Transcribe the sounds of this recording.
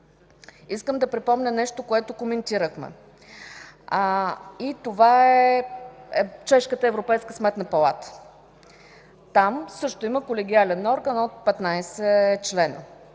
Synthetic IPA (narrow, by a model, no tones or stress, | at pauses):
iskəmd̪ɐpɾipɔmnʲənɛʃt̪okoɛt̪okomɛnt̪iɾəxmɛ̰ | it̪ovaɛ | t͡ʃɛʃkət̪əɛvɾopɛjskəsmɛt̪nəpɐlˠat̪ə̥ | t̪amsɤʃt̪oiməkolɛɡʲialɛnɔɾɡənot̪̚pɛt̪najsɛt͡ʃlɛnə̰